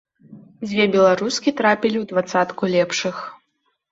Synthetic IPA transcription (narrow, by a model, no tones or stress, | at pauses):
d͡zʲvʲɛbʲɛlˠaɾuskʲit̪ɾapʲilʲiwd̪vat̪sat̪kulʲɛpʂɨx